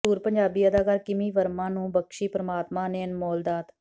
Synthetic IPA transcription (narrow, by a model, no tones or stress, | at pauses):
uːɾpəɲd͡ʒaːbiːəd̪aːkaːɾkɪmiːʋəɾmãːnũːbəkʃiːpɾəmaːt̪mãːneːnmɔːld̪aːt̪